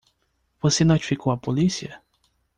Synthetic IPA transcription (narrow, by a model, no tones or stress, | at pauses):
vosenot͡ʃi̥fikowɐpolisiɐ